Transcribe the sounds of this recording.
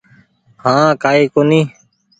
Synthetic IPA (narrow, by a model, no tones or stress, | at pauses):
hãːkaːiːkoːniː